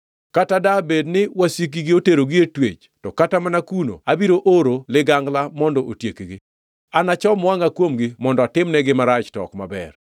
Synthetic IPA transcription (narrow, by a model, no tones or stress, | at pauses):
katadabednɪwasik̬iɡɪoteɾoɡietwḛt͡ʃ | tɔkatamanakuno̰abiɾoʔoɾolɪɡaŋɡlamɔndɔʔotjekiɡɪ | anat͡ʃɔmwaŋakwomɡɪmɔndɔatɪmnɛɡɪmaɾat͡ʃtɔ̰kma̰bɛ̰r